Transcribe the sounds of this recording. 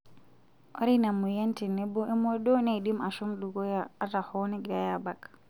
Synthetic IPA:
ʔa̰ɾinamːujentɛnɛbɔʔɛmɔɗɔnaɗimaʃumɗuɡɔjaatahɔnɛɡɾajabak

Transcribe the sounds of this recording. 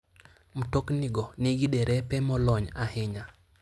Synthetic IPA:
m̩tokniɡɔniɡidɛɾɛpɛmɔlɔɲahɪɲa

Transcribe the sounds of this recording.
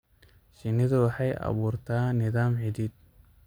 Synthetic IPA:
ʃɪnɪðɐwɑħɑjʔɑ̰βuːrt̪ʰaːnɪðaːmħɪd̪iːd̪̚

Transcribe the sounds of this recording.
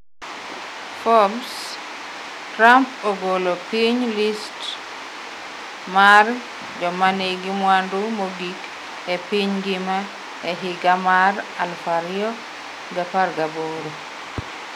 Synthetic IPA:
fɔms | tɾampoɡolopiɲlist | mar | d͡ʒɔmaneɡɪmwandumoɡik | epiɲɡɪma | ɛɦɪɡamaralfaɾiɔ | ɡaparɡaboɾo

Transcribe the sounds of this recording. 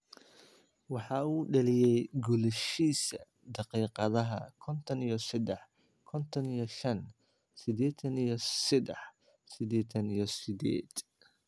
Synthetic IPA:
wɑħɑuːɖɐlɪjɛjɡʊlɛʃiːsɐ | d̪ɑqiːqɑðɐɦɐkʰɔnt̪ʰɔnijɔsɪd̪ɛħ | kʰɔnt̪ʰɔnijɞʃɐn | sɪd̪ɛːt̪ʰɐnijɞsɪd̪ɛħ | sɪd̪ɛːt̪ʰɐnijɞsɪd̪ɛ̰ːd̪̥

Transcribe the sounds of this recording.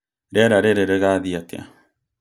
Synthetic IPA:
ɾeɾaɾeɾeɾeɣaðiat̪ea̰

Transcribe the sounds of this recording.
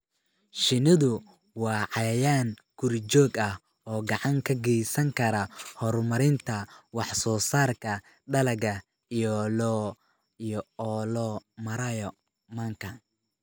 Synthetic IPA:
ʃɪnɪðʊ | wɑːʕɑjɐjaːŋ | ɡ̥ʊrt͡ʃɔːɡɐh | ʔɔːɡɑʕɑŋkʰɐɡɛjsɐŋkʰɐɾɐhɔrmɐɾɪnt̪ʰɐwɑħsɔːsaːrkʰɐ | ɖɐlɐɡɐ | ijːlɔːmɐɾɐjɔ | mɐŋkʰɐ

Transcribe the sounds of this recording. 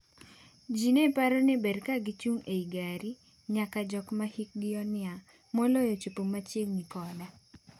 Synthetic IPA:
d͡ʒinepaɾɔnɛbedkaɡit͡ʃuŋeiɡaɾi | ɲakad͡ʒɔkmahik̚ɡɪɔnɪa | molojot͡ʃupomat͡ʃelŋikɔda

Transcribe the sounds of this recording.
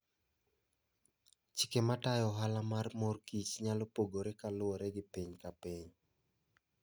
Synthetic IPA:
t͡ʃikematajɔɦalamarmorkit͡ʃɲalopoɡoɾekalʊoɾɛɡɪpiɲkapiɲ

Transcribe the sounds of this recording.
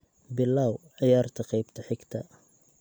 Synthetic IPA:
bɪlːaːwʕɪjaːrt̪ʰɐqɑjbt̪ʰɐħɪɡt̪ʰɐ

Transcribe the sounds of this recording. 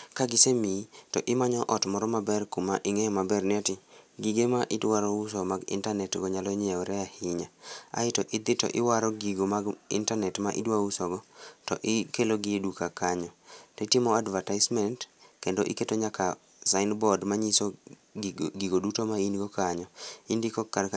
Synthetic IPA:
kaɡɪsemitɔʔɪmaɲɔʔɔtmɔɾɔmabɛrkumaʔɪŋɛɔmabɛrnɪatɪɡiɡemaʔɪdwaɾɔʊs̬ɔmaɡɪ̰ntanɛtɡɔɲalɔɲɛɔɾɛahɪɲaa̰ɪtɔʔɪd̪ɪtɔ̰ʔɪwaɾɔɡiɡomaɡɪ̰ntanɛtmaʔḭdwausɔɡɔtɔʔɪkeloɡɪdukakaɲɔtetɪmɔadvataɪsmɛntkendoʔɪketoɲaka | saɪnbɔdmaɲiso | ɡiɡodutomainɡɔkaɲɔindikɔka

